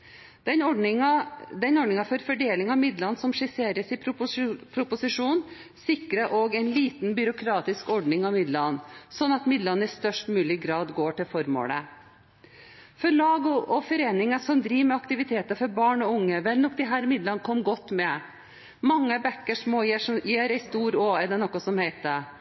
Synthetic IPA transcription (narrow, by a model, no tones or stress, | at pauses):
ɛnɔɖɳɪŋɑd̪ɛnɔɖɳɪŋɑfɔɾfɔɖeːlɪŋɑmɪd̪lɑnsɔmʂɪseːɾəsɪ | pʰɾʊpʊsɪʂuːn | sɪkɾəʔoːɡæɪnliːt̪nbʏɾʊkʰɾɑːt̪ɪskɔɖɳɪŋɑʋmɪd̪lɑnsɔnːɑt̪mɪd̪lɑnːəɪst̪œʂʈmʉːlɪɡɾɑːd̪ɡoːʈɪlfɔɾmo̰ːlə̰ | fɔɾɭɑːɡɔʔɔfɔɾeːnɪŋɑsɔmd̪ɾiːʋmɛɑkt̪ɪʋɪt̪ʰeːt̪əfɔɾbɑːɳɔʊŋːəʋɛlnɔkd̪ɪɦæːɾmɪd̪lɑnkʰɔmːɡɔt̪ːmɛ | mɑŋːəbɛkːəʂmoːjeʂjeːɾæɪst̪uːɾoːɛd̪ɛnɔkːɑsɔmhæɪt̪̚ə